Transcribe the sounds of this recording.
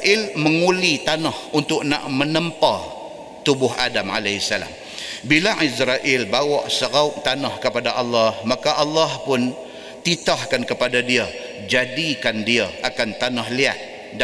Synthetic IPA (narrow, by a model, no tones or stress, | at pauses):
ʔɪlməŋulit̪anahunt̪ʊk̚na̰ʔmənəmpa | t̪ubʊɦadama̰lasala̰m | bilaʔisɾaʔɪlbawɔʔsəɣaʊʔ̚t̪anahkəpadaʔalːahmakaʔalːahpʊn | t̪it̪ahkankəpadadiə | d͡ʒadikandiaʔakant̪anahlia̰t̪̚ | d